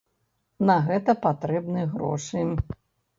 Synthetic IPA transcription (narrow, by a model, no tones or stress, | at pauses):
nɐɣɛt̪ɐpat̪ɾɛbnɨɣɾɔ̰ʂɨ